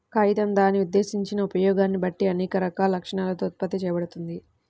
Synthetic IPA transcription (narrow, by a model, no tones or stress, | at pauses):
kɐjt̪ɐmd̪aːnːiud̪ːe̞ːsiɲt͡ʃinɐupɐjɔːɡaːnːibɐʈːiɐnɛːkɐɾɐkaːlɐlɐkʂɐɳaːlɐt̪oːt̪̚pɐt̪ːit͡ʃɛːjɐbɐɽut̪und̪i